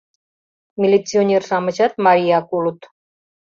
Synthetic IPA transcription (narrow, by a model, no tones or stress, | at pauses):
mʲilʲit͡sionʲerʃɑmə̆t͡ɕɑt̪̚maɾʲijɑkulut̪